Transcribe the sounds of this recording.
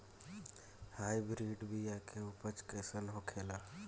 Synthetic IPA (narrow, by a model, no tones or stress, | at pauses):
haːibɾiːɖbijakʰeupət͡ʃkɛːsəlɦokʰeːlaː